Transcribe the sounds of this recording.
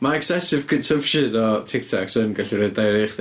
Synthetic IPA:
maɛksɛsɪv̥kʰəntʰəvʃɪdɔtʰɪk̚tʰɔksənɡaɬiɾoddajɾejχðɪ

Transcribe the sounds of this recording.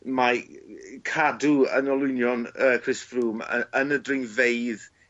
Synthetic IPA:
ma | kʰaduə̰nɔlˠʊɨnjɔnəkʰrɪsfruːmə̰ənədrɪŋveɨð

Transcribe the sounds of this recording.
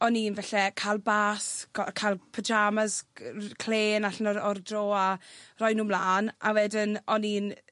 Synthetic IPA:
ɔniːnvɛɬɛkʰalˠbaːskʰalˠpʰəd͡ʒamazkʰl̥eːnaɬnɔɔrdroːarɔjnuːmlˠaːnawɛdɪnɔniːn

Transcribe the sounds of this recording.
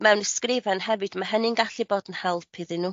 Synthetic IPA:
mɛwnɛskrɪvɛnhɛvɨd̥maɦənɪnɡaɬɨboːdn̩hɛlˠpʰɨðɨnuː

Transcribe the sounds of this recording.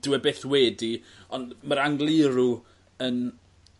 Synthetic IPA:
d̥ɪwɛbeːθwɛːdi | ɔndməɾaŋɡlˠɪɾu | ən

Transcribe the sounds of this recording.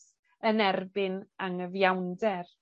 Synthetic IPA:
ənɛrbɪnaŋəvjawndɛr

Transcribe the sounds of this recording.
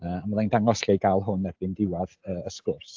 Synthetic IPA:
əːamɔðandaŋɔsɬejɡalˠɦʊnɛbɪndɪwaðəːəskʊrs

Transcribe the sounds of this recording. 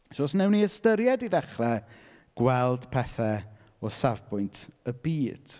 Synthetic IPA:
ʃɔːsnɛwniəstəɾjɛdiðɛχrɛ | ɡ̥wɛlˠd̥pʰɛθɛ | ɔsavbʊjntʰəbiːd̥

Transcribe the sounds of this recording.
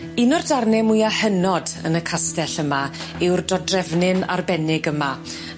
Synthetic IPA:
ɪnɔrdarnɛmʊjahənɔdə̰nəkʰastɛɬəmaɪwrdɔdrɛvnɪna̰rbɛnɪɡəma

